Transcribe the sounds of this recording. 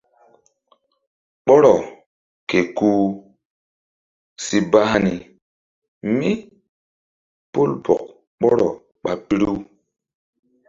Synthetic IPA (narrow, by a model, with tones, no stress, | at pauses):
ɓɔ˦ɾɔ˨ | ke˨kuː˦ | si˨ba˦ha˦ni˨ | mi˦ | po˦lpɔ̰˨k̚ | ɓɔ˦ɾɔ˨ | ɓa˨pi˦ɾu˦